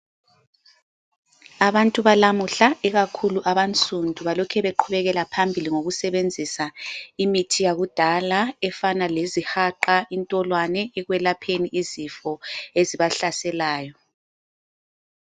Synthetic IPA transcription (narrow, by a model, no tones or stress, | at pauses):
aβantʼuβalamuɬaɛɣakʰuluʔaβant͡sʰʼundʱuβalɔkʰɛβeǃʰuβɛɣɛlapʰambʱiliŋoɣusɛβend͡zʱisaimitʰijaɣud̥ʱalaɛfanalezihaǃaintʼɔlwanɛɛɣwɛlapʰeniʔizifɔeziβaɬasɛlaːjɔ